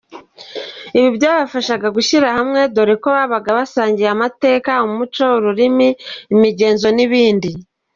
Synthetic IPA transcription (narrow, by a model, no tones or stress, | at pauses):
iβibjaːβafaʃaɡaɡuçiɾahamŋe̞do̞ɾeko̞βaβaɡaβasaːɲɟiamate̞ːkaumut͡ʃo̞uɾuɾimiimiɟe̞ːnzo̞niβiːndi